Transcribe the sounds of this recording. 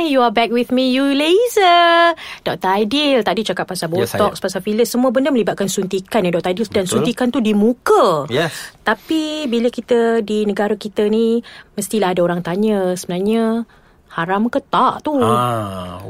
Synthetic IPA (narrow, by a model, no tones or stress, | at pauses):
juabɛk̚wiθmijulezəd̥ɔk̚t̪ajdilt̪adit͡ʃakat̪̚pasabuɔk̚spasafiləsːəmũəbəndəmə̃libat̪̚kansunt̪ikanjadɔk̚t̪ajdildansunt̪ikant̪udimukə | t̪apibiləkit̪ədinəɡaɾakit̪əniməst̪ilaɦadaoɾaŋt̪aɲəsəbənarɲə | haɾamkət̪aʔt̪u